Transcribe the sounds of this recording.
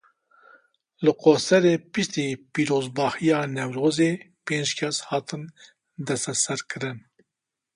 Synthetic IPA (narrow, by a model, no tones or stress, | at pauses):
lɨqoːsɛɾeːpɨʃt̪iːpiːɾoːzbɑːhijɑːnɛwɾoːzeː | peːnd͡ʒkʰɛshɑːt̪ʰɨn | d̪ɛst̪ɛsɛɾkʰɨɾɨn